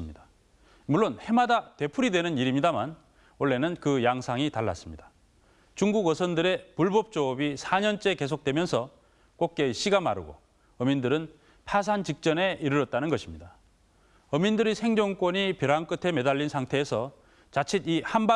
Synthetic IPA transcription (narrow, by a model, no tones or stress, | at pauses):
mɲida | muɭːonhe̞madate̞pʰuɾidwe̞nɯniɾimɲidaman | ʌɭːe̞nɯnkɯjaŋsʰaŋitaɭːa̰s͈ɯmɲid̥ḁ | t͡ɕuŋɡuɡʌsʰʌndɯɾe̞puɭbʌp̚t͡ɕ͈oːbisʰaɲʌnt͡ɕ͈e̞ke̞sʰok̚t͈wemjʌnsʰʌ | k͈ok̚k͈eiɕ͈iɡamaɾɯ̰ɡo̰ | ʌmindɯɾɯn | pʰas̬ʰant͡ɕik̚t͡ɕ͈ʌne̞iɾɯɾʌt̚t͈anɯnɡʌɕʰimɲida | ʌmindɯɾisʰe̞ŋd͡ʑoŋk͈woɲipjʌɾank͈ɯtʰe̞me̞daʎːinsʰaŋtʰe̞ːsʰʌ | t͡ɕat͡ɕʰitihamba